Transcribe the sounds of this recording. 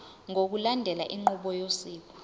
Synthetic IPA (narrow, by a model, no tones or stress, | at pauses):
ŋʱok̬ulandʱɛlaʔiŋ͡ǃuɓɔjosiːk̬ɔ